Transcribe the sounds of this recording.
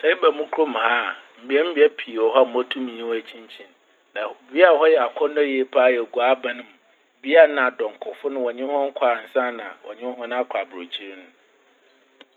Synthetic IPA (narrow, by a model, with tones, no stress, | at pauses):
sɛ˦i˦bɛ˨mũ˦kʰɾo˦m˨ha˦m̩˨bi˦ɛ˦m̩˦bi˦ɛ˦pʰi˨ɔ˨ɦɔ˦˨m̩˦ɔ˦tʰũ˦mĩ˨ɲĩ˦wæ˨t͡ɕʰĩ˦ɲt͡ɕʰĩ˦n | nã˨bi˦a˨hɔ˦jɛ˨a˨kʰɔ˦nɔ̃˦je˨pʰa˦jɛ˨ɡu˨a˦bã˨nʊ̃˨m̃˨ | bi˦a˦˨nã˨a˨dɔ̃˨ŋ˨kʰʊ˨fʊ˦nʊ̃˦wɔ˨ɲɪ̃˦m˦hɔ̃˦ŋ̩˦kʷʰa˨n̩˨sã˦nã̰˨wɔ̰˨ɲɪ̃˦m˦hɔ̃˦ñ˦a˦kʷʰa˨bɾo˨t͡ɕʰi˦ɾi˦nʊ̃˦